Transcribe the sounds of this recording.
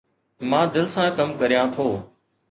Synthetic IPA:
mãːd̪ɪlsãːkəmkəɾjãːt̪ʰoː

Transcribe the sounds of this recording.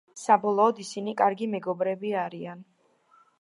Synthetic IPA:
sabɔlˠɔːd̪isinikʼaɾɡimɛɡɔbɾɛbiaɾian

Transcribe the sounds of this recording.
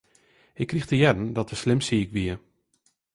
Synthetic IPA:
ɪkʰːrixtəjɛdən̩dɔtəslɪmsiɪkʋiə

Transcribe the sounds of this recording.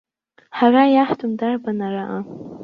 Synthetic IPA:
haɣajaht̪ʊmd̪aɾbanaɾaʔa

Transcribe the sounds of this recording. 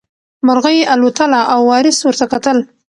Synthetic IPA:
mʊɾɣəjeʔalot̪əlaʔawːɑɾɪswəɾt̪akat̪əl

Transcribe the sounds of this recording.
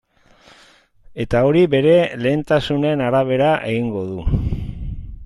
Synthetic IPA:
e̞t̪ao̞ɾiβe̞ɾe̞le̞ːnt̪asune̞naɾaβ̞e̞ɾaʔe̞̰ɣiŋɡo̞ðu

